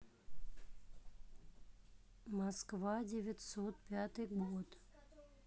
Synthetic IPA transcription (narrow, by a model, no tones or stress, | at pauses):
mɐskvadʲɪvʲɪt̪ʲsot̪̚pʲat̪ɨjɡot̪